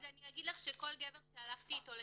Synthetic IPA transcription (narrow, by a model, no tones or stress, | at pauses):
zaniaɡid̪laχʃeko̞lɡeveʁʃealaχt̪iːt̪o̞le